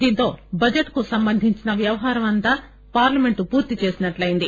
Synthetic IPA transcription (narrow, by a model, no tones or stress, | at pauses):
d̪iːnt̪o̞ːbɐd͡ʒɐʈkusɐmbɐnd̪ʱiɲt͡ʃinɐʋjɐʋɐɦaːɾɐmɐnt̪aː | paːɾlɐme̞ɳʈupuːɾt̪it͡ʃe̞ːsinɐʈlɐjind̪i